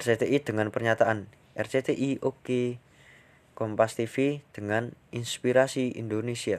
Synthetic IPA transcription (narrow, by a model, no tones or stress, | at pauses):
ɛrset̪eid̪̥əŋanpərɲat̪aʔan | ʔɛrset̪eʔiʔoke | kɔmpast̪ifid̪̥əŋaninspiɾasiḭnd̪onesia